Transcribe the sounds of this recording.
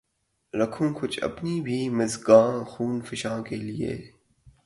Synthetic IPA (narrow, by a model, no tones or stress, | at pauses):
ɾɐkʰũːkʊt͡ʃʰɐ̰pnibʱiːmɐzɡãːxuːnfɪʃãːkeliḛː